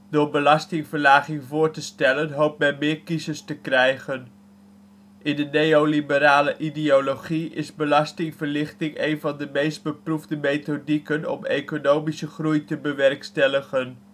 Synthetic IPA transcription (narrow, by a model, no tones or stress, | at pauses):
dʊːɹbəlɑstɪŋvəɹlaːχɪŋvʊːɹtəstɛlənɦowp̚mɛnmɪːɹkizəstəkrɛjχən | ʔɪndənejolibəɾaːləʔidioloχiɪ̰zbəlɑstɪŋvəɹlɪχtɪŋejnvɑndəmejsd̚bəpruvdəmejtodikənɔ̰mḛkonowmisəχrujtəbəʋɛrkstɛləχən